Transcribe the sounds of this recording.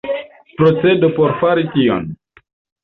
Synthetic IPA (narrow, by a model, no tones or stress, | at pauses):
pɾot͡se̞dopoɾfaɾitio̰n